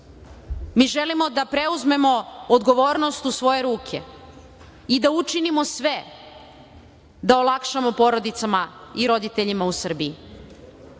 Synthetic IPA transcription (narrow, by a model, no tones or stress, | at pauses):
miːʒelimo̞d̪apɾe̞uzme̞mo̞od̪ɡo̞ʋo̞ːɾnost̪usʋo̞je̞ɾuːkʰe̞̰ | id̪aut͡ʃinimo̞sʋe | d̪aolˠakʃamo̞po̞ɾo̞d̪it̪samaiɾo̞d̪it̪eʎimausr̩bii